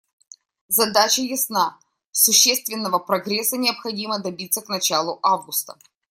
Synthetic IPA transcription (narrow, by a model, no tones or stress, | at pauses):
zɐd̪at͡ɕəjɪsna | sʊɕːest̪vʲɪnːəvəpɾɐɡɾʲɛsːənʲɪəpxɐdʲiməd̪ɐbʲit̪sːəknɐt͡ɕalˠʊʔavɡʊst̪ə̥